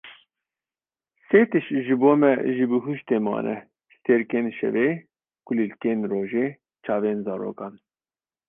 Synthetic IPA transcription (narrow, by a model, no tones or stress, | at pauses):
seːt̪ɨʃʒɨboːmɛ̰ʒɨbɨɦuʃt̪eːmɑ̰ːnʔɛ̰ | st̪eːɾkeːnʃɛ̰veː | kulilkeːnroːʒeː | t͡ʃʰɑːveːnzɑːɾo̰ːkɑːn